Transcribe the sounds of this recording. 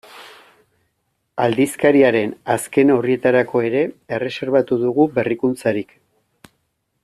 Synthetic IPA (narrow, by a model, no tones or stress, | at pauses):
ald̪iskaɾiaɾe̞naske̞norie̞t̪aɾako̞e̞ɾe̞ːre̞se̞ɾβat̪uðuɣube̞rikunt͡saɾik